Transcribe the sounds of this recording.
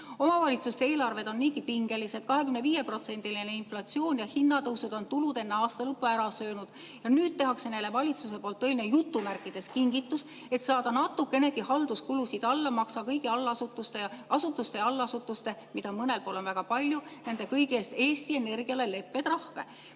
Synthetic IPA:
o̞mɑvɑlʲit̪sust̪ee̞ːlɑrve̞d̪o̞nːiːkipiŋɡ̥e̞lise̞t̪̚kɑɦe̞kymneviːje̞pro̞t̪se̞nd̪̥iline̞inflɑt̪sio̞ːnjɑhinːɑt̪ɤwsud̪̥o̞nt̪ulud̪e̞nːeɑːst̪ɑlɤpːuæɾɑsøːnud̪̥ | jɑnyːd̪̥̚t̪e̞ɦɑkse̞nejle̞vɑlʲit̪suse̞po̞ːlt̪ːɤeline̞jut̪ːˑumærkːˑid̪̥e̞skiŋɡit̪ːˑus | e̞t̪sɑːd̪ɑnɑt̪ːˑukːˑe̞ne̞ɡ̥ihɑld̪uskulusid̪̥ɑlːɑmɑksɑkɤjɡiɑlːɑsut̪ːˑust̪e̞ɑsut̪ːˑust̪e̞ɑlːɑsut̪ːˑust̪e̞mid̪ɑmɤne̞lpo̞ːlo̞nvæɡ̥ɑpɑlʲjune̞nd̪̥e̞kɤjɡieːst̪e̞ːst̪ie̞ne̞rɡiɑle̞le̞pːe̞d̪rɑhve̞̰

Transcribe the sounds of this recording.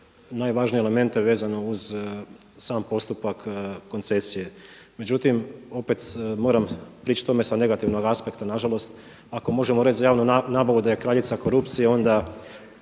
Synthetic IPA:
naːjʋaːʒnijele̞me̞nt̪eʋeːzano̞uz | saːmpo̞st̪upakːo̞nt̪se̞sije̞ | me̞d͡ʑut̪imo̞pet̪mo̞ːɾampɾiːt͡ʃt̪t̪o̞me̞sane̞ɡat̪iʋno̞ɡaspe̞kt̪anaʒalˠo̞st̪ | ako̞mo̞ʒe̞moɾet͡ʃzajaːʋnunaːbaʋud̪aje̞kɾaːʎit̪sako̞ɾupt̪sijeo̞nd̪a

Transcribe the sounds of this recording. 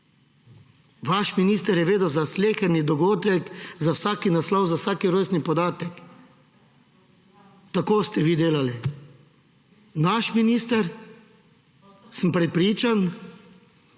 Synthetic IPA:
ʋaʃminiːst̪ɛɾjɛʋeːd̪əzasleːxanid̪ɔɡoːd̪ɛkzawsaːkinaslɔwzawsaːkiɾosnipɔd̪aːt̪ɛk | t̪akoːst̪ɛʋiːd̪eːlali | naʃminiːst̪ɛɾ | səmpɾɛpɾiːt͡ʃan

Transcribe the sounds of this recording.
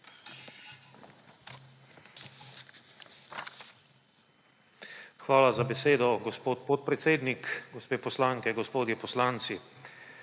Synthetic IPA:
xʋaːlazabɛseːd̪ɔɡɔspoːt̪pɔt̪̚pɾɛt̪seːd̪nikɡɔspeːpɔslaːŋkɛɡɔspoːd̪jɛpɔslant̪si

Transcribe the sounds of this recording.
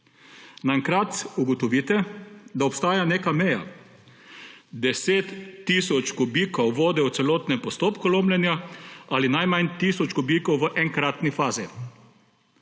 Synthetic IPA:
naɛŋkɾat̪uɡɔt̪ɔʋiːt̪ɛd̪aɔpst̪aːjaneːkamɛja̰ | d̪ɛseːt̪ːisɔt͡ʃɡɔbiːkɔwʋoːd̪ɛwt̪sɛloːt̪nɛmpɔst̪oːpkuloːmlɛnjaalinajmant̪iːsɔt͡ʃɡubiːkɔwʋəʔɛŋkɾat̪nifaːzi

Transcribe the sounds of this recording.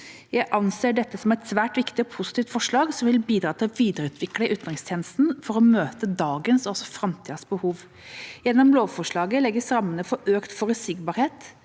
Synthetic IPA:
jæɪʔɑnseːɖɛt̪ːəsɔmɛɪt̪sʋæːʈʋɪkt̪ɪɔpʰʊsɪ̥t̪iːft̪fɔʂɭɑːɡsɔmʋɪlbiːd̪ɾɑːt̪ʰɪlɔʋiːd̪əɾəʉːt̪ʰʋɪkləʔʉːt̪nʁɪŋst̪ʰɛːnəst̪n̩fɔɾɔmøːt̪əd̪ɑːɡənsɔsɔfɾɑmt̪ʰiːd̪sbəhuːʋ | jɛnːɔmloːʋfɔʂɭɑːɡəlɛɡːəsɾɑmːənəfɔɾøːkt̪fɔɾəsɪɡbɑːɾheːt̪

